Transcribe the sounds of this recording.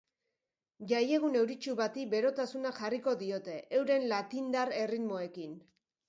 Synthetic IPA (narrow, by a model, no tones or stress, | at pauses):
ʝaje̞ɣ̞une̞wɾit͡ʃuβat̪ibe̞ɾo̞t̪asunaxariko̞ðio̞t̪e̞ʔewɾe̞nlat̪ind̪aɾe̞riðmo̞e̞kin